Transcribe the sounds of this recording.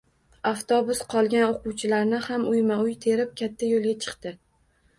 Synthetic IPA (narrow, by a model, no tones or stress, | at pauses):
aft̪ʰɒbʊsqʰɒlˠɡʲanoqʊwt͡ʃʰɪlaɾnɪhamʊjmaʊjt̪ʰe̞ɾɪp̚kʲʰat̪ʰːajolˠɡʲat͡ʃʰɨ̥qt̪ɪ